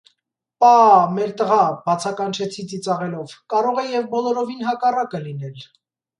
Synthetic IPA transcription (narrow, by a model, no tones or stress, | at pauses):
pɑmɛɾt̪əʁɑbɑt͡sʰɑkɑnt͡ʃʰɛt͡sʰit͡sit͡sɑʁɛlɔvkɑɾɔʁɛjɛvbɔlɔɾɔvinɦɑkɑrɑkəlinɛl